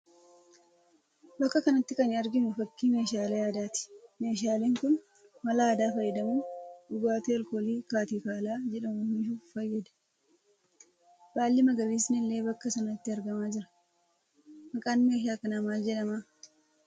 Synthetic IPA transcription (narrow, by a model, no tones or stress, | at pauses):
bɐkːɐkɐnɐt̪ːɪkɐnɪɐɾɡɪmʊfɐkːiːme̞ːʃaːlɐjaːd̪aːt̪ɪ̥me̞ːʃaːleːŋkʊn | mɐlaːd̪aːfɐjːɐd̪ɐmuːᶑʊɡaːt̪eɐlkoːliːkaːt̪iːkaːlaːd͡ʒɛᶑɐmʊnɪʃuːfɐjːɐd̪ɐ̥ | b̥aːlːɪmɐɡɐbiːsnɪlːe̞ːbɐkːɐsɐnɐt̪ːɪɐɾɡɐmaːd͡ʒɪɾɐ̥ | mɐkʼaːnmeːʃ̬aːkɐnɐmaːd͡ʒɛᶑɐmaː